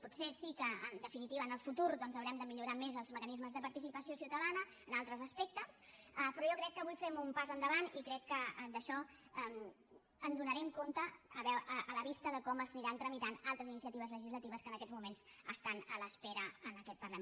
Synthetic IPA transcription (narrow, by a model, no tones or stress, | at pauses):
pɔtsesikəːnd̪əfinit̪iβəːnəlˠfut̪uɾðɔnzəwɾɛmd̪əmiʎuɾamezəlˠzməkənizməzðəpəɾt̪isipəsiosiwt̪əðanəːnalˠt̪ɾəzəspɛk̚t̪əs | əpɾɔjɔkɾɛkːəβujfɛmumpazənd̪əβanikɾɛkːəd̪əʃɔəm | ənd̪unəɾɛmkont̪əːβɛəələβist̪əðəkɔməzniɾant̪ɾəmit̪analˠt̪ɾəzinisiət̪iβəzləʒizlət̪iβ̞əskənəkɛd͡zmumenzəst̪anələspeɾəənəkɛt̪̚pərlə